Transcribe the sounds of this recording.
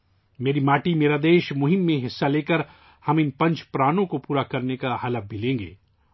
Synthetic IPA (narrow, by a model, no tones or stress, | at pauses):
meːɾimaːʈimeːɾad̪eːʃmʊɦɪmːẽɦɪsːaleːkəɾ | hɐmɪnpɐ̃ɲt͡ʃʰpɾaːnõkopuːɾakɐɾnekahalabʱilẽːŋɡḛː